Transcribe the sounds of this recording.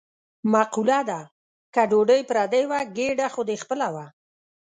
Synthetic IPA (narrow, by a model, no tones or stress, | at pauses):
maqulad̪a | kaɖoɖəjpɾad̪əjwaɡeɖaxod̪expəlawa